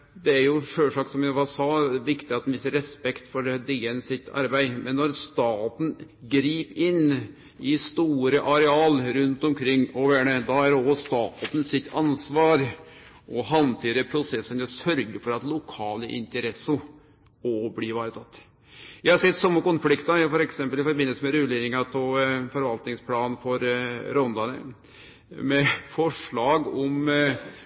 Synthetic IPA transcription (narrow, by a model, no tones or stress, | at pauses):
d̪ɛæɾjʊʂøːʂɑk̚t̪sɔmjæɪʋɑsɑːʋɪkt̪ɪɑt̪d̪nʋɪsəɾɛspɛkt̪fɔɾd̪eːɛnsɪt̪ʰːɑ̰ɾbæɪmɛnːɔɾst̪ɑːt̪n̩ | ɡɾiːpɪnː | ɪst̪uːɾəʔɑɾɛɑːlɾʉnt̪ɔmkʰɾɪŋːɔʋæːɳəd̪ɑæɾɔst̪ɑːt̪t̪n̩sɪt̪ʰːɑnsʋɑːɾ | ʔɔɦɑnt̪ʰiːɾəpʰɾʊsɛsːənjʊsœɾɡəɾfɔɾɑt̪lʊkʰɑːləʔɪ̰nt̪əɾɛsːʊ | ɔbliːʋɑːɾət̪ʰɑt̪ː | jæhɑɾsɛt̪ːsɔmːəkʊnflɪkt̪ɑfɔɾɛksɛmpəlɪfɔɾbɪnəsəmɛɾʉleːɾɪŋɑpʰɔfɔɾʋɑlt̪nɪŋspʰlɑːnfɔɾɾɔnd̪ɑnə̰ | mɛfɔʂɭɑːɡɔm